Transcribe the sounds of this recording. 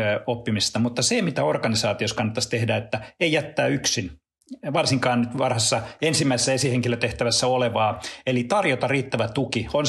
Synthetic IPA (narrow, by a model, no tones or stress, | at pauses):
opːimist̪ɑmut̪ːɑsemit̪æorkɑnisɑːt̪ioskɑnːɑt̪ːɑst̪ehdæet̪ːæeijæt̪ːæːyksin | ʋɑrsiŋkɑːnnyt̪ʋɑrhɑsːɑensimːæisesːæesiheŋkiløt̪eht̪æʋæsːæoleʋɑːelit̪ɑrjot̪ɑriːt̪ːæʋæt̪ukion